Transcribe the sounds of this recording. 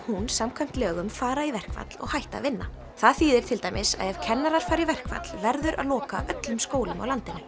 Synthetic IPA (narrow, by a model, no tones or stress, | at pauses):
hunsamkʰvajm̥t̪lœːɣʏmfaːɾaivɛr̥kva̰t̪l̥ɔ̰ɣhajht̪a̰vɪnːa | θaðθiːðɪɾ̥t̪ʰɪlt̪ajmɪsa̰ðɛv̥cʰɛnːaɾaɾ̥faːɾivɛr̥kva̰t̪l̥vɛɾðʏɾʔa̰ðlɔːka̰ʔœt̪lʏmskoːwlʏma̰wlant̪ɪnːʏ